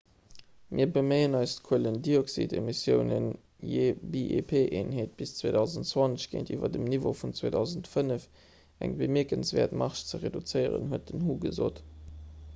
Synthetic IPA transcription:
mʔiːɐbəmeɪənɑɪstkʰuələndioksḭtemisjəʊnən | jebiʔepʰeːʔeːnɦeːt̚b̥ist͡sweːdɑʊzəntt͡swɑnt͡səɕɡ̥ḛːntʰiːvɐ̰dəmnivofunt͡sweːdɑʊzəntfənəf | æ̰ŋbəmiɐkənsvɛːɐtmɑʁʃt͡səʁedut͡səɪəʁə̰nhuət̚dənɦuːɡəzo̰ːt

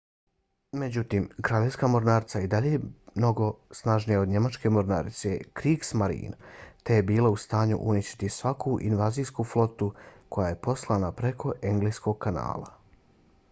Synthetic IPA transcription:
me̞d͡ʑut̪iːmkɾaːʎe̞ʋskamo̞ɾnaːɾt̪said̪aʎejmno̞ɡo̞snaʒnijaoɲe̞mat͡ʃke̞mo̞ɾna̰ːɾt̪sekɾiːksmaɾḭːnt̪ejebiːlaust̪aːɲṵʔuniʃt̪i̥t̪isʋakʰuʔḭnʋaːzijskuflˠo̞t̪uko̞jaje̞po̞slˠanapɾekʰo̞ʔeŋɡlejskoɡ̚kana̰ːlˠa̰

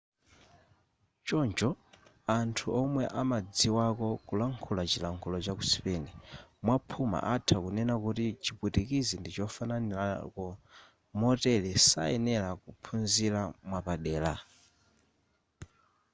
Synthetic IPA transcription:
t͡ʃɔɲd͡ʒɔ | antʰuɔmwɛʔamad͡ziwakɔkulaŋkʰulat͡ʃilaŋkʰulɔt͡ʃaku̥si̥pɛnɛmwapʰuma̰ʔatʰakunɛnakutit͡ʃiputikizindit͡ʃɔfananiakɔ | mɔtɛlɛsa̰ɛnɛlakupʰunziɾamwapaɗɛːla

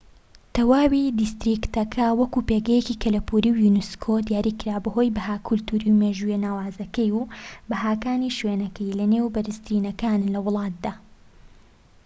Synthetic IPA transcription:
t̪ɐwaːwid̪ist̪ɾikt̪ɐkʰɐwɐkupeːɡɐjecikʰɐlɐpʰuɾiwjunuskʰod̪ijaːɾiːkɨɾaːbɐho̞jbɐɦaːkʰːʊlt̪uɾiwmeːʒujenaːwaːzɐkɐjubɐɦaːkaːniʃweːnɐkʰɐjlɐne̞ːwbɐɾɨst̪ɾiːnɐkaːnnlɐwʊlˠɑːt̪̚d̪aː

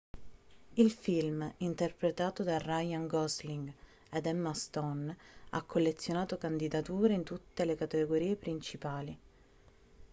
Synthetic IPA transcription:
ilfilmint̪erpɾet̪aːt̪od̪arajaŋɡɔsliŋɡ | ɛd̪ɛmːast̪ɔna̰kʰːolːet̪sːjonaːt̪okand̪id̪at̪uːɾeint̪ut̪ːelekat̪eɡoɾiːepɾint͡ʃipaːli

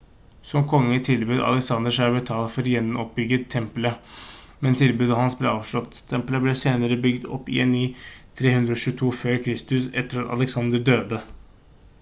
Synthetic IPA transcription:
sɔmkʰɔŋːət̪ʰɪlbʉːd̪ɑ̰lɛksɑnd̪əʂæːbɛt̪ʰɑːlfɔɾjɛnːnɔp̚bʏɡət̪ʰːɛmplə | mɛnt̪ʰɪlbʉːd̪əhɑnsbleːɑːʋʂɭɔt̪ːt̪ʰːɛmpləblɛseːnəɾəbʏɡd̪ɔpːɪ̰enːiːt̪ʰɾeːhʉnd̪ɾəɔɕʉːt̪ʰuːføːɾkʰɾɪst̪ʉsɛt̪ːəɾɑt̪ɑ̰lɛksɑnd̪əɖøːd̪ə

